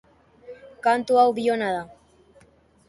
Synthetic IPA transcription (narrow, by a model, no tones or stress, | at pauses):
kant̪uawβionaða